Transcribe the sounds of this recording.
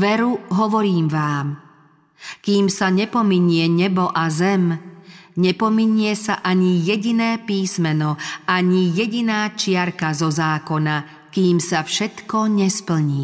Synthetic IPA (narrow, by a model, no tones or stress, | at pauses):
ʋɛɾuɦɔʋɔɾiːmʋaːm | kiːmsaɲɛpɔmiɲɪɛɲɛbɔʔazɛm | ɲɛpɔmiɲɪɛsaʔaɲijɛɟinɛːpiːsmɛnɔaɲijɛɟinaːt͡ʃɪaɾkazɔzaːkɔna | kiːmsafʃɛt̪kɔɲɛspl̩ɲiː